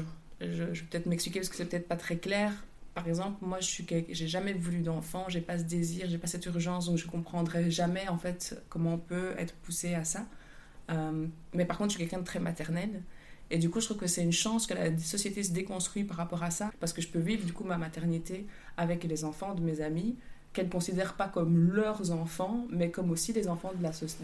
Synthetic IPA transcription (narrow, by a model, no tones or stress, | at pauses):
ʒəʒəvøpø̥ət̪ɛt̪χmɛksplikʲepasəkə̥sɛpət̪ɛt̪χpat̪χɛklɛːʁpaʁɛɡzɑ̃plmwaʒəsɥikʲɛlkʒeʒamɛvulyd̪ɑ̃fɑ̃ʒepasəd̪eziːʁʒepasɛt̪yʁʒɑ̃sd̪ɔ̃kʒəkɔ̃pχɑ̃d̪ʁɛʒamɛɑ̃fɛt̪kɔmɑ̃ɔ̃pøɛ̰t̪χəpuseasa | ømmɛpaʁkɔ̃t̪χʃɥikɛlkɛ̃d̪ət̪χɛmat̪ɛʁnɛled̪ykuʒət̪χuvkəsɛynʃɑ̃skəla̰sɔsjet̪es̬əd̪ekɔ̃st̪χɥipaʁapɔʁasapaʁsə̥kəʒəpøvivʁd̪ykumamat̪ɛʁnit̪eavɛklezɑ̃fɑ̃d̪əmezamikɛlkɔ̃sid̪ɛʁpakɔmlœʁzɑ̃fɑ̃mɛkɔmosilezɑ̃fɑ̃d̪əlasɔ